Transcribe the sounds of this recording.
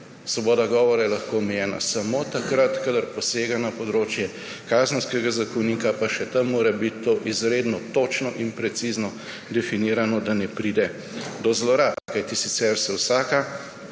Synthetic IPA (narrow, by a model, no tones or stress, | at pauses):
sʋɔbɔːd̪aɡɔːʋɔɾajɛlɐxkoːɔmɛjɛːna̰sɐmoːt̪akɾat̪kad̪ɐɾpɔseːɡanɐpɔd̪ɾoːt͡ʃjɛ | kaːzənskɛɡazakɔwniːkapaʃɛt̪ɐmːoːɾɛbit̪ːoʔizɾeːd̪nɔt̪ot͡ʃnɔʔinpɾɛt̪siznɔ | d̪ɛfiniːɾanɔd̪anɛpɾiːd̪ɛ | d̪ɔzlɔɾat̪kajt̪isit̪sɛɾsɛwsaːka